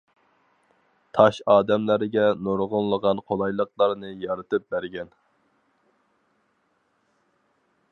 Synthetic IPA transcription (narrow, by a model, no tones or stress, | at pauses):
t̪ʰɑʃɑːd̪ɛmlæɾɪɡʲɛnoɾʁʊnlˠəʁɑnqʰolˠɑjlˠəqlˠɑɾnɨjɑɾɨt̪ʰɨp̚bæɾɡʲɛn